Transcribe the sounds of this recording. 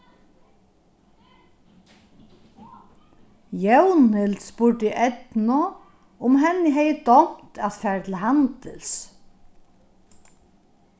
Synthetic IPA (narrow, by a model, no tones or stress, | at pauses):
jœwnɪlt̪spʊʈɪʔɛt̪nʊ | ʊmɦɛnːɪɦɛjəd̪ɔm̥t̪ʰæt̪fæːɹt̪ʰɪlhant̪ɪls